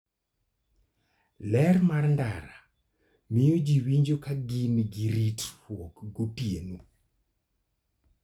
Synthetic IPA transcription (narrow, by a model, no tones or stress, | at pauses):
lɛɾmarnda̰ɾa | mɪjod͡ʒiwiɲd͡ʒokaɡinɡiɾitwɔkɡopienu